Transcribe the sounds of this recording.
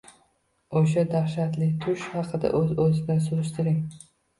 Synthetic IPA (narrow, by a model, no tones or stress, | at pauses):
oʃad̪aχʃat̪lɪt̪ʰʊʃhɑqʰɨd̪a̰ʔɵzɵzɪd̪ansʊɾɪʃt̪ʰɪɾɪŋ